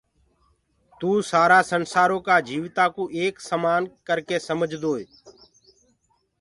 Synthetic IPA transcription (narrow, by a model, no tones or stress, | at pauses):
t̪uːsaːɾaːsənsaːɾoːkaːd͡ʒiːʋɪt̪aːkuːʔeːksəmaːnkəɾkeːsəməd͡ʒʱd̪oːeː